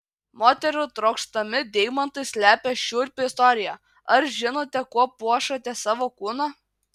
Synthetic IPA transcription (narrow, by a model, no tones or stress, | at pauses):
moːt̪ʲɛɾʲʊt̪ɾɔʊkʃt̪ɐmʲɪd̪ʲɛɪmɐnt̪ɐɪsʲlʲæːpʲɛʃʲuːɾʲpʲɪɪst̪ɔɾʲɪjæ | ɐɾʒʲɪnoːt̪ʲɛkuɔpuɔʃɐt̪ʲɛsɑːʋoːkuːnɑ